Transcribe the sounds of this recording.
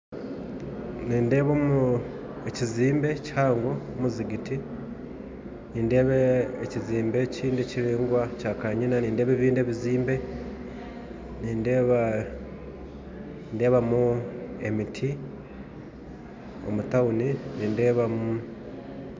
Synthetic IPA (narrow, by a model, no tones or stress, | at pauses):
niːnde̞ːβomu | eciziːmbe̞chaːŋɡoomuziɡiti | niːnde̞ːβeːciziːmbe̞ciːndeciɾiːŋɡwacaːkaɲinaniːnde̞ːβeβiːnde̞ːβiziːmbe̞ | niːndeβa | nde̞ːβamuḛmitʰi | o̰mutauniniːnde̞ːβamu